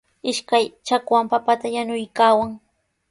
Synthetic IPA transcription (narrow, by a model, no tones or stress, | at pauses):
ɪʃkajt͡ʃakwampapat̪ajanʊjkaːwaŋ